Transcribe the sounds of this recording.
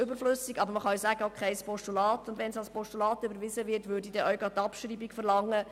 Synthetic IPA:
ʏbəɾflʏsiɡɑbəɾməχɑisæːɡ̥əokʰχɛɪspʰɔʃtulɑːtʊndʋɛnsɑlspɔʃtulɑːtʏbəɾʋɪzəʋɪɾtʋʏɾdidɛʔœwɡɑt̪ːɑpʃɾiːbikfəɾlɑŋːə

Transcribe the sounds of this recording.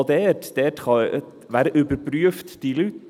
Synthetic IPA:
d̪eːɾʈd̪̥eːʈkʰɑ | ʋæːɾəʔʉːbəɾpʰɾʉːft̪d̪̥iːlʉːt̪

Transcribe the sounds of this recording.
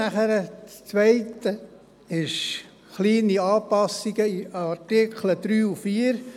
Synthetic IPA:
æχəɾət͡sʋæɪtə | ɪʃ | χliːniɑːpɑsiɡ̥əiɑɾtɪkχləd̥̪ɾyːufiːəɾ

